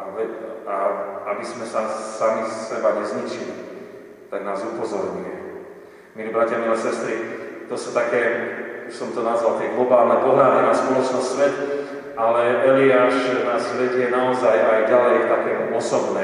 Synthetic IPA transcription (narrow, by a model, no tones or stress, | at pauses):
aʋɛaabizmɛsasamissɛbaɲɛzɲit͡ʃili | t̪aɡnaːzupɔzɔɾɲujɛ | milibɾacɪamilɛasɛst̪ɾit̪ɔsu̥t̪akɛːuʃsɔmt̪ɔnazʋalt̪ɛjɡlɔbaːlnɛpɔɦlaːɾɛnaspɔlɔt͡ʃnɔsʋɛt̪ | ʔalɛʔɛliaːʒnasʋɛɟjɛnaɔzajajɟalɛjt̪akɛːɔsɔbnɛː